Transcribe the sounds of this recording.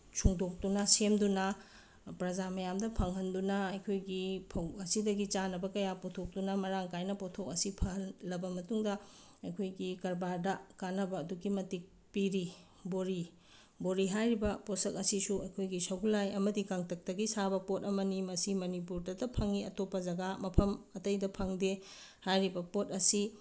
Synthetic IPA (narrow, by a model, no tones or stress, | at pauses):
t͡ʃʰuŋdok̚tunɐsemdunɐ | pɾɐzamɐjamdɐpʰɐŋɦɐndunɐɐjkʰojɡipʰɐwɐsidɐɡit͡ʃanɐbɐkɐjapotʰok̚tunɐmɐɾaŋkajnɐpotʰok̚ɐsipʰɐllːɐbɐmɐtuŋdɐ | ɐjkʰojɡikɐɾbaɾdɐkanɐbɐːduɡimɐtik̚ | piɾi | boɾi | boɾiɦajɾibɐposɐk̚ɐsisuɐjkʰojɡisɐɡulajɐmɐdikaŋtʰɐk̚tɐɡisabɐpot̚ɐmɐnimɐsimɐnipuɾdɐdɐpʰɐŋiɐ̰topːɐzɐɡamɐpʰɐmɐtɐjdɐpʰɐŋde | hajɾibɐpot̚ɐsi